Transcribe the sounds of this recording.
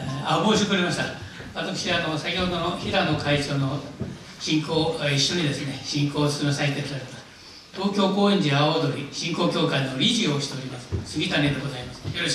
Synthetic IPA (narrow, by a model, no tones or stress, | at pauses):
eaboːɕi̥t̪eoɾʲimaɕi̥t̪aβat̪akɯ̟̥ɕiano̞sakʲihɦod̪onçiɾano̞kait͡ɕo̞ːno̞ | ɕĩŋko̞ːiɕːo̞ɲid̪esɨne̞ɕĩŋko̞ːsɨ̥sɨmesait̪ekɯɾaɾet̪ḁ | t̪o̞ːkʲo̞ːko̞ːẽ̞ɲ̟d͡ʑiaod̪o̞ɾʲiɕĩŋko̞ːkʲo̞ːkaino̞ɾʲiʑioɕi̥t̪e̞oɾʲimasɨ̥sɨɡʲit̪ane̞d̪e̞ɡo̞zaimasɨ̥joɾo